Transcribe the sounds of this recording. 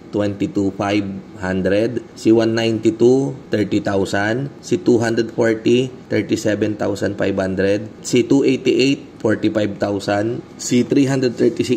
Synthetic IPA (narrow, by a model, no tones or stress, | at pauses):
t̪wɛnt̪it̪ufajbhand̪ɾɛd̪ | siwanːajnt̪it̪ut̪ɛɹt̪it̪awsansɪt̪uɦand̪ɾɛd̪̚foɹt̪it̪ɛɹt̪isɛbɛnt̪awsɐnfa̰jbhand̪ɾɛd̪̚sit̪uʔejt̪iʔejt̪̚foɹt̪ifajb̚t̪awsan | sit̪ɾiɦand̪ɾɛd̪t̪ɛɹt̪isɪ